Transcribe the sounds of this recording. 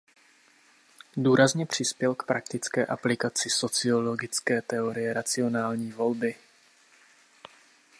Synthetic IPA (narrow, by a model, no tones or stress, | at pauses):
duːɾazɲɛpr̝̥ɪspjɛlkpɾak̚t̪ɪt͡skɛːʔaplɪkat͡sɪso̞t͡sɪo̞lo̞ɡɪt͡skɛːt̪ɛo̞ɾɪjɛɾat͡sɪo̞naːlɲiːvo̞lbɪ